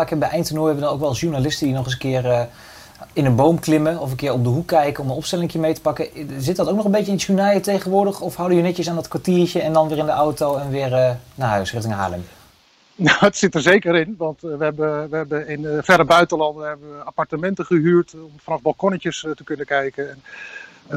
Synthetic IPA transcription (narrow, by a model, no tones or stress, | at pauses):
akɛbɛjʔɛjntənoːjəʋədɑnowkʋɛlˠsʃuɹnalɪstədinɔχəsənkɪːr | ɪnənbowmklɪməɔfənkɪːɹɔp̚dəɦukːɛjkənɔmənɔpstɛlɪŋkɪːɹmejtə̥pɑkəzɪt̚dɑtowknɔχəmbejcəɪnsunaːjətejχənʋʊːɹdəχɔfɦɑwdəjənɛtcəsaːndɑtkʋaɹtiːɹt͡ʃəɛndɑnʋɪːrɪndəʔɔwtowɛnʋɪːrənaːɦœɥsrɪχtɪŋɦa̰ːlə̰m | naətsɪtəɹzejkəɾɪnʋɑntʋəɦɛbəʋəɦɛbəɪnfɛdəbœɥtəlɑndənɛbəʋəapɑɹtəmɛntəχəɦyːɹtɔmfɑnɑvbɑlˠkɔnəkəstəkɵnəkɛjkənɛn